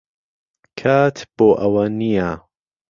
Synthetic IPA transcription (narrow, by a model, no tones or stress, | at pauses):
kʰaːt̪ʰb̥oːʔɐwɐnija